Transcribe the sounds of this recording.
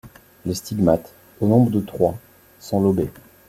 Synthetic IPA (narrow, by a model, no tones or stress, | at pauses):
lest̪iɡmat̪ | onɔ̃bʁəd̪ət̪χwa | sɔ̃lɔbe